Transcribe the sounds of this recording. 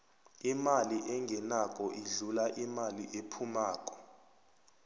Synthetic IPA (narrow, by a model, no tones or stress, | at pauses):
imaliʔɛŋɡʱɛnakʼɔʔiɮulaʔimaliʔepʰumaːk̬ʼɔ̥